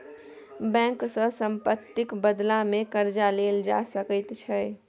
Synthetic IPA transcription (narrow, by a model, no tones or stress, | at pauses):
bɛ̃ŋksə̃səmpət̪ːɪkbəd̪lamekəɾd͡ʒaleld͡ʒa̰səkəjt̪t͡ʃʰəj